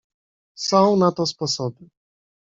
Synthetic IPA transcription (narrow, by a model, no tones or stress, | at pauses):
sɔ̃w̃nat̪ɔspɔsɔbɘ